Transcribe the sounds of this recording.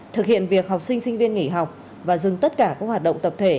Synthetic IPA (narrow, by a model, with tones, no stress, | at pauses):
t̪ʰɨ˨˩k̚hḭ˧˨ənvi˨˩ək̚ɦa˨˩wk͡p̚sï˧ŋ̟sï˧ŋvi˧ənŋi˧˩ɦa˨˩wk͡p̚ | vaː˨˩zɨ˨˩ŋt̪ə˦˥t̚kaː˧˩kaː˦˥k̚haː˨˩t̚ɗə̰˧˨wŋ͡mt̪ə˨˩p̚t̪ʰe˧˩